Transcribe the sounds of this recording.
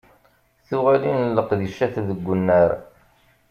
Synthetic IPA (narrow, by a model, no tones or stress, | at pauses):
θuʁalinəlːəqðiʃæθðəɡʷːʊnːəɾ